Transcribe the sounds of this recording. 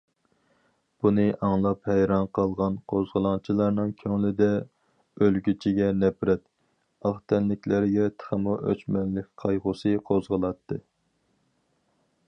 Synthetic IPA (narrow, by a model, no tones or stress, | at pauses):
b̥unɨʔɑŋlˠɑphɛjɾɑnqʰɑlˠʁɑnqʰozʁəlˠɑŋt͡ʃʰilˠɑɾnɨŋkʲʰøŋlɪd̪ɛ | ølɡʲyt͡ʃʰiɡʲɛnɛpɾɛt̪ | ɑχt̪ʰɛnlɪkʲlæɾɡʲɛt̪ʰə̥χəmuʔø̰t͡ʃmɛnlɪkʲqʰɑjʁʊsɨqʰozʁəlˠɑt̪ʰːɨ